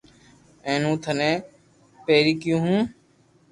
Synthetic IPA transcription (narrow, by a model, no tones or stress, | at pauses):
ẽːnũːt̪ʰənẽː | peːɾiːkɪjũːɦũː